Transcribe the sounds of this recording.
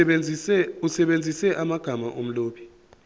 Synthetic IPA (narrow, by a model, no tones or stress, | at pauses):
usɛɓend͡zʱisɛʔamaɡ̥ʱamaʔom̩loːɓʰi̥